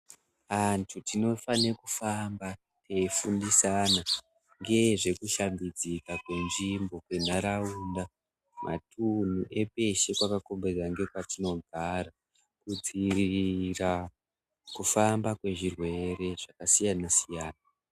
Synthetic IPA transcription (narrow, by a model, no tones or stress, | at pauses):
antʰutino̞fanekufamba | te̞ifundisana | ŋɡe̞ʐe̞kuʃambid͡zikakwe̞nʐimbo̞kwe̞n̤aɾauːnda | mʔa̰tʰun̤uʔe̞pe̞ʃe̞kwakako̞mberaŋɡe̞kwatino̞ɡʱaɾa | kud͡ziriira | kufambakwe̞ʐirwe̞re̞ʐ̥akasijanasijaːna